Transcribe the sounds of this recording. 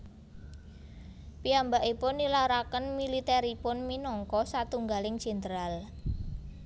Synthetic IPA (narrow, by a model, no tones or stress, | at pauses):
piambaʔipʊnːilaɾakənmilit̪ɛɾipʊnminɔŋkɔsat̪uŋɡalɪŋd̥ʒ̥ɛ̤nt̪əɾal